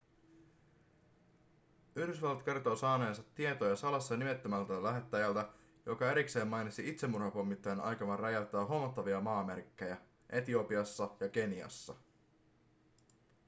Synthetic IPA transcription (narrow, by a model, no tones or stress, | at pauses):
yhdysʋɑlːɑt̪ke̞rt̪o̞ːsɑːneːnsɑt̪ːie̞t̪ojɑsɑlɑsːɑnime̞t̪ːømælt̪ælæɦe̞t̪ːæjælt̪æ | jo̞kɑe̞ɾikse̞ːmːɑjnit̪siit̪semːurhɑpomːit̪ːɑjɑnɑ̰jkɑʋɑrrɑjælt̪ːˑæːɦo̞mːot̪ːɑʋiɑmɑːmerikːe̞jæ | ʔe̞t̪io̞piɑsːɑjɑk̟e̞niɑ̰sːɑ̰